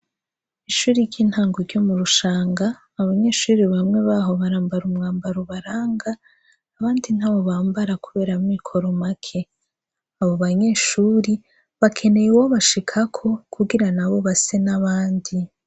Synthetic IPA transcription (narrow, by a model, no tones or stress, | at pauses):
iʃuːɾiɟiːnhaːŋɡoɾɟo̞muɾuʃaːŋɡaː | βaɲe̞ːʃuːɾiβamŋe̞βaɦo̞βaɾaːmbaɾumŋaːmbaɾoβaɾaːŋɡaː | βaːndin̥haːβo̞βaːmbaɾakuβe̞ːɾamwikʰo̞ɾomakʰe̞ | aβo̞βaɲe̞ːʃuːɾi | βakʰe̞ne̞jewoβaʃikʰakʰo̞kʰuɡiɾanaβo̞βase̞naβaːndi